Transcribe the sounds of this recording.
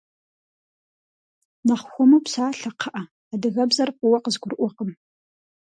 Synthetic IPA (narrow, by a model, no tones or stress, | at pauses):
nɐχʷxʷɔmɐpsaːɬɐqʰɐʔɐ | adɨɣɐbzɐrqʼʊwɐqəzɡʷʊrʔʷɔqəm